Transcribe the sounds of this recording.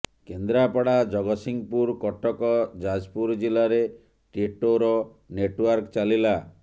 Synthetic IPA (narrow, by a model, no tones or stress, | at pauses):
kend̪ɾapɔɽad͡ʒɔɡɔsiŋpuɾkɔʈːɔkɔd͡ʒad͡ʒpuɾd͡ʒilaɾe | ʈiʈoɾɔ | neʈwaɾkt͡ʃalila